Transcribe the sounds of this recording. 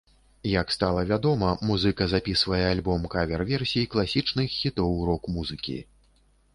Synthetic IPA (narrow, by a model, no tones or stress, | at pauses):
jɐkst̪alˠɐvʲad̪ɔmɐmuzɨkɐzapʲisvɐjɛalʲbɔmkavʲɛrvʲɛrsʲijiklˠasʲit͡ʂnɨxʲit̪ɔwɾɔkmuzɨkʲḭ